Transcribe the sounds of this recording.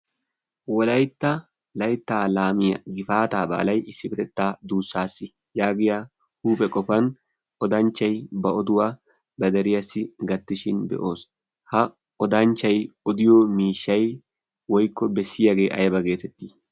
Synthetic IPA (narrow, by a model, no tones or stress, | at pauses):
wɔlɐjt̪ːɐ | lɐjt̪ːaːlaːmɪjɐ̰ɡɪfaːt̪aːba̰ːlɐjʔɪsːɪfɛt̪ɛt̪ːaːd̪uːsːaːsːɪ | jaːɡɪja | huːpʼɛkʼɔfɐn | ɔd̪ɐnt͡ʃːɐjbɐɔd̪ʊwaː | bɐd̪ɐɾɪjɐsːɪɡɐt̪ːɪʃɪnbɛ̰ʔo̞ːs | hɐ | ɔd̪ɐnt͡ʃːɐjɔd̪ɪjɔmiːʃːɐj | wɔjkʰːɔbɛsːɪjaɡe̞ːʔɐjbɐɡe̞ːt̪ɛt̪ːiː